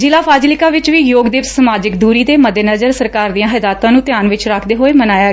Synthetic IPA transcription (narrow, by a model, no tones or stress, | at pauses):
d͡ʒɪlaːpʰaːd͡ʒlɪkaːʋɪt͡ʃʋiːjoːɡd̪ɪpsəmaːd͡ʒɪkd̪uːɾiːd̪eːməd̪eːnəzəɾsəɾkaːɾd̪ijãːɦɛːd̪aːt̪ãːnũːt̪ɪjaːnʋɪt͡ʃɾakʰd̪eːɦoːeːmənaːjaː